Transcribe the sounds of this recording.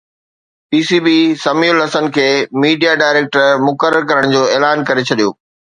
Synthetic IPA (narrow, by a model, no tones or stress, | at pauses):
piːsiːbisɐmiːʊlɦɐsənkʰeːmiːɖijaɖaːɪɾeːk̚ʈəɾmʊkəɾəɾkɐɾəɽ̃d͡ʑoːeːlaːnkɐɾet͡ɕʰɐɗijo̰ː